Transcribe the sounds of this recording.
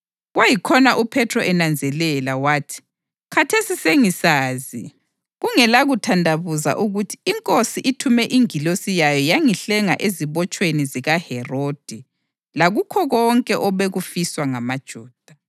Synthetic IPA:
ɣwajikʰɔnaʔupʰɛtʰrɔʔɛnand͡zʱɛlɛlawaːtʰi̥ | kʰatʰesiseŋisaːzi | ɣuŋɛlaɣutʰandʱaβuza̰ʔuɣutʰi̥iŋkʼosiʔitʰumɛʔiŋilosijajɔjaŋiɬɛŋaʔeziβɔt͡ʃʼweniziɣahɛrod̥ʱi | laɣukʰɔɣɔŋkʼɛʔɔβeɣufiswaŋamad̥ʒ̥ʱuːd̥ʱa

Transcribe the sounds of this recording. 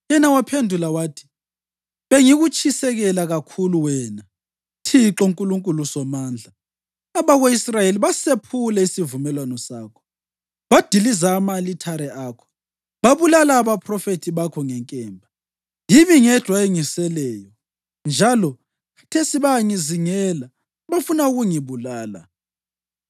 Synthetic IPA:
jɛnawapʰendʱulawaːtʰi̥ | βeŋiɣut͡ʃʰʼisɛɣɛlaɣakʰuluwɛːna | tʰiǁɔuŋkʼuluŋkʼulusɔmaːnd͡ɮʱa | aβaɣeisrajeliβasepʰulɛisivumɛlwanɔsaːkʰɔ̥ | βad̥ʱilizaːmalitʰaɾɛʔaːkʰɔ̥ | βaβulalaːβapʰʼrɔfetʰiβakʰɔŋɛŋkʼɛːmbʱa | jimiŋɛ̥d̥ʱwaeŋisɛlɛːjɔ | nd͡ʒʱalɔ | ḁtʰesiβaŋiziŋɛla | βafunauɣuŋiβulaːla̰

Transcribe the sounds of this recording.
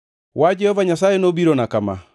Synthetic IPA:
wad͡ʒɛhɔvaɲas̬aenobiɾɔnakama̰

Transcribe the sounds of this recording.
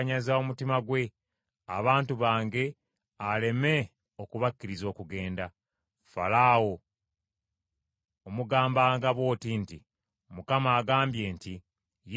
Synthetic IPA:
ɲazao̞mutimaɡwe̞ | a̰βaːntuβaːŋɡe̞ | ale̞me̞ | o̞kuβakːiɾizo̞ːkuɡe̞ːnda | fa̰laːwo̞ | muɡaːmbaːŋɡaβwo̞ːtinti | mukamaːɡaːmbje̞ːnti | j

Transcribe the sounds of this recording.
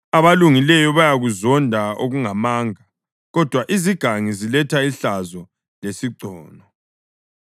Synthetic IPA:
aβaluŋilɛjɔβajaɣuzɔndʱaoɣuŋamaːŋa | ɣɔd̥ʱwaʔiziɡ̥ʱaŋizilɛtʰaiɬazɔ | lesiǀɔːnɔ

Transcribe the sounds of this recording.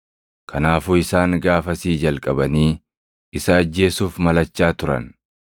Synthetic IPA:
kʰɐnaːfuːɪsaːŋɡaːfɐsiːd͡ʒɐlkʼɐbɐniː | ɪsɐːd͡ʒːe̞ːsuːfmɐlɐt͡ʃːaːt̪ʊɾɐ̰n

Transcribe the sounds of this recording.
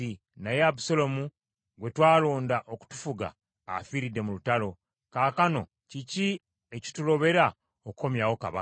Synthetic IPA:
i | najeabusolo̞mu | ɡwe̞twaːlo̞ːndaʔo̞ku̥tu̥fuɡa̰ː | fiːɾidːe̞mulutalo̞ | kaːkano̞̰ | cici | eci̥tuɾo̞βe̞ɾa | okuko̞mjawo̞ka̰βa

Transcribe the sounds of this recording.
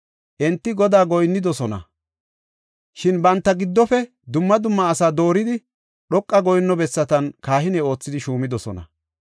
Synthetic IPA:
ʔɛnt̪ːɪɡɔd̪aːɡɔjnːɪd̪ɔsɔnɐ̰ | ʃɪnbɐnt̪ːɐɡɪd̪ːɔfɛ | d̪ʊmːɐd̪ʊmːɐːsaːd̪o̞ːɾɪd̪ɪ | ɗɔkʼːɐɡɔjnːɔbɛsːɐt̪ɐnkaːhɪnɛo̞ːt͡sːɪd̪ɪʃuːmɪd̪ɔsɔ̰nɐ̰

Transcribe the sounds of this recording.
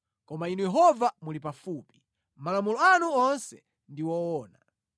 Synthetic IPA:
kɔmainujɛɦɔvamulipafuːpi̥ | malamulɔanuɔnsɛ | ndiwɔɔːna̰

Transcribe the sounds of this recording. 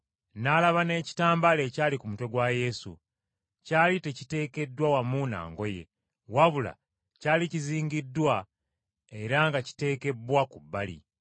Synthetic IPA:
naːlaβane̞ːci̥taːmbale̞caːlikumute̞ɡwaje̞sṵ | caːlite̞cite̞ːke̞dːwawamuna̰ːŋɡo̞je̞̰ | waβula̰ | caːliciziːɲɟidːwa | e̞ɾaŋɡaci̥te̞ːke̞bwakubːalḭ

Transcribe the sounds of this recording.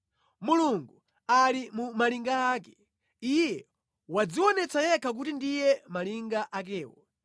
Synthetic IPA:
muluŋɡu | alimumaliŋɡaːkɛ̥ | ijjɛ | wad͡ziwɔnɛt͡sʰajɛkʰak̬utindijɛmaliŋɡaʔak̬ɛːwɔ̰

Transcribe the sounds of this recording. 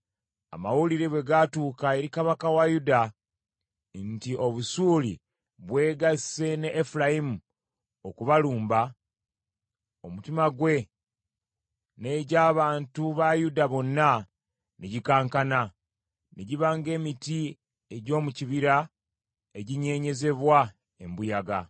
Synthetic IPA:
a̰mawuliɾe̞βwe̞ɡatuːkae̞ɾikaβakawajuda | ntio̞βusuːlḭ | βwe̞ːɡḁse̞neʔːfulajimu | okuβaluːmba | o̞mutimaɡwe̞ | ne̞ːɟaːβaːntuβajudaβo̞nːa | neɟikaːŋkana | neɟiβaːŋɡe̞ːmiti | e̞ɟo̞ːmuciβiɾa | e̞ɟiɲe̞ːɲe̞ze̞βwa | e̞mbujaɡa

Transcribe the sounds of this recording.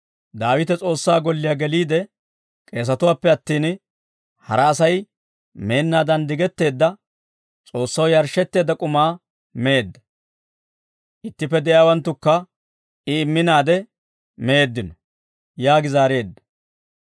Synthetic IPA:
d̪aːwɪt̪ɛt͡sʼo̞ːsːaːɡɔlːɪjaɡɛliːd̪ɛ | kʼe̞ːs̬ɐt̪ʊwaːpːɛɐt̪ːiːn | hɐ̰ɾɐːsɐj | me̞ːnːaːd̪ɐnd̪ɪɡɛt̪ːe̞ːd̪ːɐ | t͡sʼo̞ːsːɐwjɐɾʃːɛt̪ːe̞ːd̪ɐkʼʊmaː | meːd̪ːɐ̥ | ʔɪt̪ːɪpːɛd̪ɛʔjaːwɐnt̪ːʊkːɐ | ɪɪmːɪnaːd̪ɛ | mɛeːd̪ːɪnɔ | jaːɡɪzaːɾe̞ːd̪ːɐ̥

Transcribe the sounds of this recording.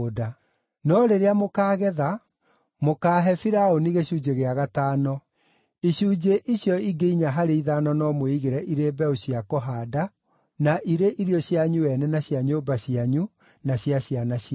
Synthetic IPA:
oda | nɔɾeɾeamokaːɣɛða | mokaːɦɛfiɾaoniɣeɕuːd͡ʑeɣeaɣataːnɔ | iɕud͡ʑeʔiɕjɔiɡeiɲaɦaɾeiðanɔnɔmoiɣeɾɛʔiɾeːbɛoɕjakɔɦada | naʔiɾeʔiɾjɔɕjaɲuɛnɛnaɕjaɲoːbaɕiaɲu | naɕjaɕjanaɕ

